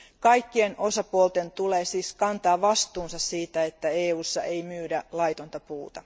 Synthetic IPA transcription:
kɑjkːienʔo̞sɑpuolt̪e̞nt̪uleːsiːskɑnt̪ɑːʋɑst̪uːnsɑssiːt̪æet̪ːæeːuːsːɑʔe̞jmyːdælɑjt̪ont̪ɑpuːt̪ɑ

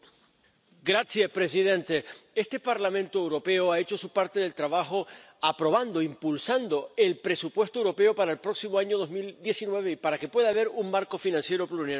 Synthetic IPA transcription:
ɡɾasjaspɾe̞s̬iðẽ̞nt̪e̞e̞st̪e̞paɾlamẽ̞nt̪oewɾo̞pe̞oae̞t͡ʃo̞supaɾt̪e̞ðelt̪ɾaβaxo̞ | apɾo̞βand̪o̞impulsand̪o̞e̞lpɾe̞supwe̞st̪oewɾo̞pe̞opaɾaelpɾo̞ksimoaɲo̞ðo̞ɦmild̪je̞sinwe̞β̞e̞ipaɾake̞pwe̞ðaːβ̞e̞ɾuŋmaɾko̞finãnsje̞ɾo̞pluna

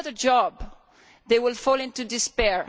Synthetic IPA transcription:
ðəd͡ʒɔb | ðeɪwɪlˠfɔlˠɪ̃ntudɪspɛɹ

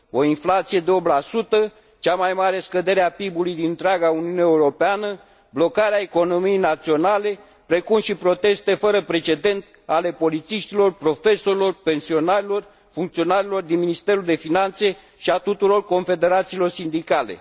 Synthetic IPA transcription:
o̞inflat̪sije̞d̪eo̞blasut̪ə | t͡ʃamajmaɾe̞skəd̪e̞ɾeapibulujd̪inɨnt̪ɾeaɡauniuneeuɾo̞peanə | blo̞kaɾeaeko̞no̞mijejnat̪sio̞nale̞ | pɾe̞kumʃipɾo̞t̪e̞st̪e̞fəɾəpɾe̞t͡ʃe̞d̪e̞nt̪ | ale̞po̞lit̪siʃt̪ilo̞rpɾo̞fe̞so̞ɾilo̞rpe̞nsio̞naɾilo̞r | fuŋkt̪sio̞naɾilo̞rd̪inminist̪e̞ɾuld̪e̞finant̪se̞ | ʃiat̪ut̪uɾo̞rko̞nfe̞d̪e̞ɾat̪siːlo̞rsind̪ikale̞̰

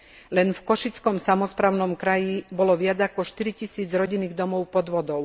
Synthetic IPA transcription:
lɛnfkɔʃit͡skɔmsamɔspɾaːʊnɔmkɾajibɔlɔʋɪad͡zakɔʃt̪iɾicisiːd͡zɾɔɟinːiːɣd̪ɔmɔʊpɔd̪ʋɔd̪ɔʊ

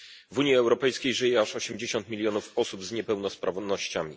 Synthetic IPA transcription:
vuɲjiɛwɾɔpɛjskʲejʐɘjɛaʂɔɕɛmd͡ʑeɕɔnt̪̚mʲilʲjɔnufɔsubzɲɛpɛwnɔspɾʔavnɔɕt͡ɕamʲḭ

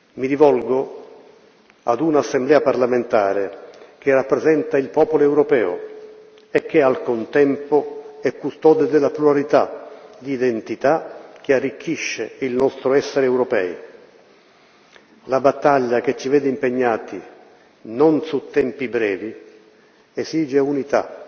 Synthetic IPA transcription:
miɾivɔlɡo | a̰d̪unasːemblɛːaparlament̪aːɾek̟erːapːɾezɛnt̪ailpɔːpoloɛwɾopɛːʊ̰ | ek̟ːealkont̪ɛmpʊɛkːust̪ɔːd̪ed̪ɪlːapluaɾit̪ad̪iːd̪ent̪it̪ak̟earːik̟ːiʃːeilnɔst̪ɾʊɛsːeɾeɛwɾɔpɛ̰ːj | labat̪ːaʎːak̟et͡ʃːivɛːd̪ɪimpeɲːaːt̪i | nonsut̪ːɛmpibɾɛːvi | esiːd͡ʒeunit̪a̰

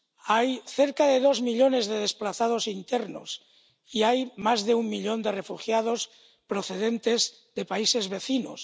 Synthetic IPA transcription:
ajθeɾkaðe̞ðo̞zmiʎo̞ne̞zðeð̞e̞splaθað̞osint̪eɾno̰s | iajmazðeummːiʎo̞nd̪e̞re̞fuxjað̞os | pɾoθe̞ð̞ent̪ez | ðe̞paise̞zβe̞θino̰s

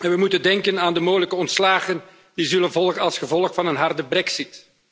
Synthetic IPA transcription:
ɛnʋəmutəndɛŋkənaːndəmoːɣələkəɔntslaːɣən | d̥izɵlənvɔlˠɣənɑlˠsχəvɔlˠəxfɑnənɦɑrdəbrɛksit

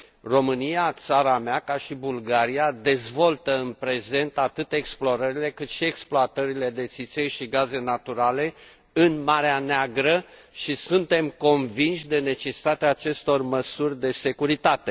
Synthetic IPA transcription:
ro̞mɨnijat̪saɾameakaʃibulɡaɾijad̪e̞zvo̞lt̪əɨnpɾe̞ze̞nt̪at̪ɨt̪e̞ksploɾəɾile̞kɨt̪ʃie̞ksploat̪əɾile̞d̪e̞t̪sit̪sejʃiɡaze̞nat̪uɾale̞ | ɨnmaɾeaneaɡɾə | ʃisunt̪e̞mko̞nvinʃʲd̪e̞ne̞t͡ʃe̞si̥t̪at̪eaːt͡ʃe̞st̪o̞rməsurʲd̪e̞se̞kuɾit̪at̪e̞

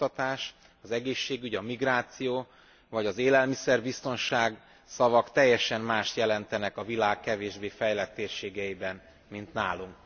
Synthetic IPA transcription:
ɒt̪aːʃ | ɒzɛɡeːʃːeːɡyɟɒmiɡraːt̪sijoː | vɒɟɒzeːlɛlmisɛrbist̪o̞nʃaːɡ | sɒvɒkt̪ɛjːɛʃɛmmaːʃt̪jɛlɛnt̪ɛnɛkɒvilaːkːɛveːʒbeːfɛjlɛt̪ːeːrʃeːɡɛibɛn | mint̪naːluŋk

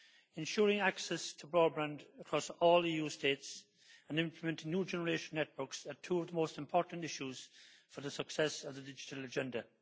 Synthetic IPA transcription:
ɪ̃nʃɔːɹɪ̃ŋaksɛstʰəbɹɔːbɹãndəkʰɹ̥ɔsɔːliːjuːsteɪts | ə̃nɪ̃mpʰləmɛ̃ntɪ̃ŋnjuːd͡ʒɛnəɹeɪʃə̃nːɛt̚wə˞ksətʰuːəvðəmoʊstɪ̃mpʰɔɹʔn̩tɪʃuz̥fə˞ðəsəksɛsəvðədɪd͡ʒɪtʰələd͡ʒɛ̃ndə

